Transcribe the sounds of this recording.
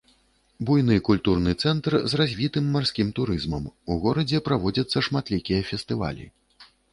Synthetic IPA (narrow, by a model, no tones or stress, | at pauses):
bujnɨkulʲt̪urnɨt̪sɛnt̪rzrazʲvʲit̪ɨmːarsʲkʲimt̪uɾɨzmɐmuɣɔɾɐd͡zʲɛpɾavɔd͡zʲɐt̪sːɐʂmat̪lʲikʲijɐfʲɛst̪ɨva̰lʲḭ